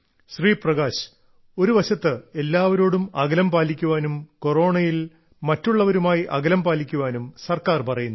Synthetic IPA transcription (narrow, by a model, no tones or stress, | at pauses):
ɕriːprɐɡaːɕ | o̞ɾuʋɐɕɐt̪ːɨe̞lːaːʋɐɾo̞ːɽumɐɡɐlɐmpaːlikʲːuʋaːnumko̞ro̞ːɳɐjil | mɐtːuɭːɐʋɐɾumaːjiʔɐɡɐlɐmpaːlikʲːuʋaːnumsɐrkaːrpɐrɐjunːɐ